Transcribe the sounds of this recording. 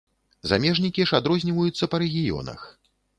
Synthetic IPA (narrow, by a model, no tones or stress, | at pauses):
za̰mʲɛʐnʲikʲiʂad̪ɾɔzʲnʲivɐjut̪sːɐpɐɾɛɣʲijɔ̰nɐ̰x